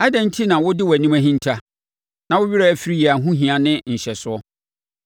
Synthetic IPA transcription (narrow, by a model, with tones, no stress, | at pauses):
a˦dɛ̃˦n̩˦tʰi˦nã˨wʊ˦dɪ˦wæ˨nĩ˦mæ̃˦ɦĩ˦n˦tʰa˦ | nã˨wʊ˦ɥi˦ɾa˦æ˨fi˦ɾi˦ji˨a˨ɦũ˦ɦĩ˨ã˨nɪ̃˦n̩˨ɕɛ˨sʊ˦ɔ˦